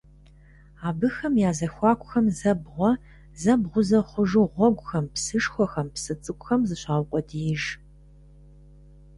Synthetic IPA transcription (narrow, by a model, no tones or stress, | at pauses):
aːbɨxɐmjaːzɐxʷɑːkʷʼʊxɐmzɐbʁʷɔ | zɐbʁʷʊzɐχʷʊʒuʁʷɔɡʷʼʊxɐmpsɨʂxʷɔxɐmpsɨt͡sʼɨkʷʼxɐmzɨɕaːwqʷʼɔdijɪʒ